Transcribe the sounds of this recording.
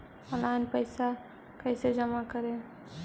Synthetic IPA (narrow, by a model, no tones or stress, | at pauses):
əlanpəɪsa | kəɪsed͡ʒəmakəɾe